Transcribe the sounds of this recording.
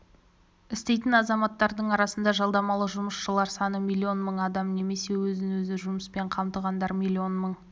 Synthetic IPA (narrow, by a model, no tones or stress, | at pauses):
ɪst̪e̞jt̪ɪnɑzɑmɑt̪ːɑɾd̪əɴɑɾɑsənd̪ɑʒɑlˠd̪ɑmɑlˠəʒʊməsʃəlˠɑɾsɑnəmʲijlʲːio̞nməɴɑd̪ɑmne̞me̞se̞wɵzɪnwɵzɪʒʊməspe̞ɴqʰɑmt̪əʁɑnd̪ɑɾmʲijlʲːio̞nməɴ